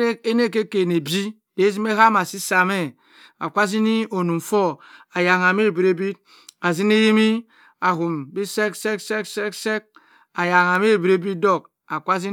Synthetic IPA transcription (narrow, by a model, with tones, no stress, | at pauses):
e˦e˦ne˦ke˦ke˨ne˨bi˦ | e˨˦zi˦me˦ɦa˦ma˨si˦sa˨me˦ | a̰˨kʷa˦zi˦ni˦o˨nu˨m˨fo˦a˨ja˨ŋa˨me˦˨bi˨ɾe˦bi˦t̚ | a˨zi˦ne˦ji˦mi˦ | a˨ɦu˨mbi˦se˦kse˦kse˦kse˦kse˦k̚ | a˨ja˨ŋa˨m˦e˦˨bi˨ɾe˦bi˦do˦k | a˨kʷa˦zi˦